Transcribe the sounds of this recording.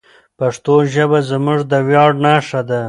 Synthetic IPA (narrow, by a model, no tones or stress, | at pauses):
paʂt̪oʒəbazmʊʐd̪əwjɑːɖnɑːʂad̪a